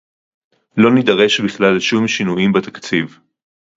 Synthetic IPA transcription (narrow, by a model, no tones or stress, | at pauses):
lo̞nid̪ɐʁe̞ʃbiχlalʃumʃinujimbet̪akt͡siv